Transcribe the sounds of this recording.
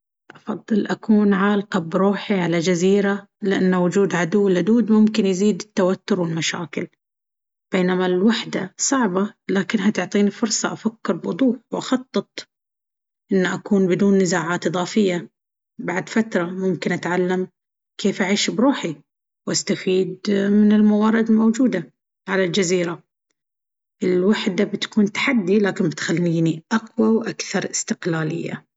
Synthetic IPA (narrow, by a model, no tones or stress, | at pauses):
ʔɑfɑd̪ˤːɨlʔakuːnʕaːlqɑbɾuːħiʕalad͡ʒaziːɾa | lɪʔanːawʊd͡ʒuːd̪ʕad̪ʊwːɪlad̪uːd̪mʊmkɪnjziːd̪ɪt̪ːawat̪ːʊɾwɪlmaʃaːkɪl | b̥eːnamalwaħd̪asˤɑʕbalaːkɪnɦat̪ʊʕt̪ˤiːnifʊɾsˤɑʔafakːɪɾbwʊ̰d̪ˤuːħwʔɑxɑt̪ˤːɨt̪̚ˤ | ʔɪnːʔakuːnbɪd̪uːnːɪzaːʕaːt̪ʔɨðˤɑːfɪjːa | baʕd̪fat̪ɾˤɑmʊmkɪnʔat̪ʕalːam | kʰeːfʔaʕiːʃbɾuːħi | wʔast̪afiːd̪mɪnɪlmawɑːɾɪd̪lmowd͡ʒuːd̪a | ʕalald͡ʒaziːɾa | ʔɪlwaħd̪abɪt̪kuːnt̪ḁħad̪ːilaːkɪnbɪt̪xalːiːniʔaqwawʔakθɑɾˤʔɪst̪ɪqlaːlɪ̰jːa̰